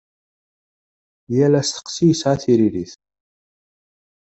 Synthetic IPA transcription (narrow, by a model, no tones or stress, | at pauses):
jælæst̪ə̥qsijsʕaθiɾiɾiθ